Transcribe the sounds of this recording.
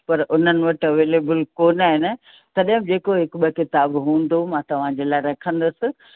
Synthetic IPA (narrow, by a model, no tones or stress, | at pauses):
pɐɾʊn̤ənɪ̆ʋɐʈɐʋeːleːbəlkoːnaːɦɪn | t̪ɐɗɦɪ̃md͡ʑeːkoɦɪkɓɐkɪt̪aːbɦũːn̆d̪omãːt̪ɐʋ̤ãd͡ʑeːlaːɪɾɐkʰə̃nd̪ʊsɪ̆